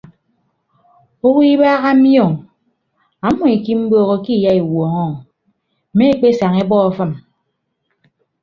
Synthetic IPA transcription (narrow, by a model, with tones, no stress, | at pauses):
o˦wi˦baː˦ɣa˦m̩˦jɔ˦˨ŋ | a˨˦mɔ˨e˨ki˦m̩˦boː˦ɣo˦ki˦˨ja˦i˨wɔː˨ŋɔ˦˨ | me˦e˦k͡pe˦sa˨ŋe˦bɔ˦ɔ˨fɨ˦m